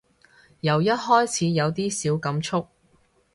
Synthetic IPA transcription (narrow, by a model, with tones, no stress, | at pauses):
jɐ˨˩wjɐ˥t̚hɔː˥jt͡sʰiː˨˧jɐ˨˧wt̪iː˥siː˨˥wkɐ˨˥mt͡ʃʰʊ˥k̚